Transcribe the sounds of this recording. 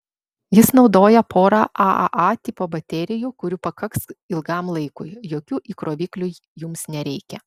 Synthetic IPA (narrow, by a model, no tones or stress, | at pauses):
jɪsnɒʊd̪oːjɛpoːɾɑːʔɑʔɐ̰ʔɑt̪ʲɪpoːbɐt̪ʲɛɾʲɪjukʊɾʲupɐkɐksɪlˠɡɑˑmlˠɐɪkʊɪjoːkʲuːʔiːkɾoːʋʲiːklʲu | jʊmsnʲɛɾʲɛɪkʲɛ